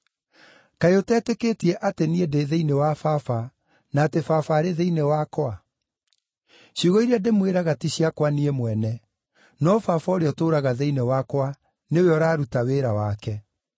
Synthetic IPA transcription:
kaeotɛːteketiɛʔateniedeðeinewafafa | naːtefafaːɾeðeinewakwa | ɕiɣoiɾeademweɾaɣatiɕiakwaniemwɛnɛ | nɔfafaoɾeɔtoːɾaɣaðeinewakwa | neoweɔɾaːɾutaweːɾawakɛ

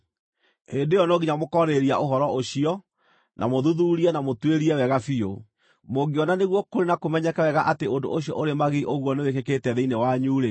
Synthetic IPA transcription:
hendejɔnɔɣiɲamokɔɾeɾia̰ʔoɦɔɾɔʔoɕiɔ | nʔa̰moðuðuɾiɛnamotweɾiɛwɛɣafio̰ | moɡiɔnaneɣwɔkoɾenakomɛɲɛkawɛɣaʔateondo̰oɕiɔʔoɾemaɣiʔoɣwɔnewekeketɛðeinewaɲuːɾe

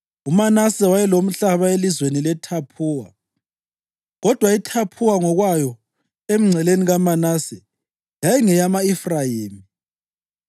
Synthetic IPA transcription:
umanasɛwajɛlom̩ɬaβaelizwenilɛtʰapʰuːwa̰ | ɣɔd̥ʱwaitʰapʰuwaŋɔɣwajɔ | em̩ŋ͡ǀʱɛleniɣamanasɛ | jajɛŋɛjamaifrajiːmi

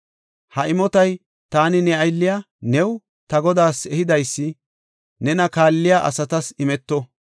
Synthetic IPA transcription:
hɐʔɪmɔt̪ɐj | t̪aːnɪnɛɐjlːɪja | nɛw | t̪ɐɡɔd̪aːsɛhɪd̪ɐjsːɪ | nɛnɐkaːlːɪjaʔɐ̰sɐt̪ɐsɪmɛt̪ːɔ

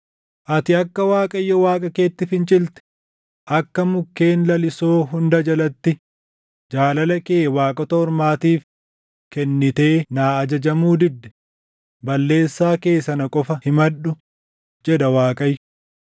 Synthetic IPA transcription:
ʔɐt̪ɪɐkːɐwaːkʼɐjːɐwaːkʼɐke̞ːt̪ːɪfɪnt͡ʃʼɪlt̪ɛ̥ | ʔɐkːɐmʊkːe̞ːnlɐlɪsoːɦʊnd̪ɐd͡ʒɐlɐt̪ːɪ | d͡ʒaːlɐlɐkeːwaːkʼɔt̪ɐɔɾmaːt̪iːf | kɛnːɪt̪e̞ːnaːɐd͡ʒɐd͡ʒɐmuːd̪ɪd̪ːɛ̥ | bɐlːe̞ːsːaːke̞ːsɐnɐkʼɔfɐhɪmɐᶑʊ | d͡ʒɛᶑɐwaːkʼɐjːʊ

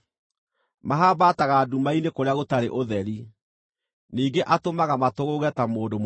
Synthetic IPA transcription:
maɦabataɣaːdumainekoɾeaɣotaɾḛʔoðɛɾi | niːŋɡeʔatomaɣamatoɣoɣɛtamoːdom

